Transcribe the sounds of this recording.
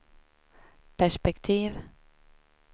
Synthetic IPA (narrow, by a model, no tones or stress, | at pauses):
pʰæʂpɛkt̪ʰiːʋ